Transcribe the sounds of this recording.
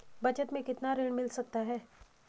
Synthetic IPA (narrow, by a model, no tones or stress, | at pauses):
bət͡ɕət̪mẽkit̪naɾiɳmilsək̚t̪aɦɛ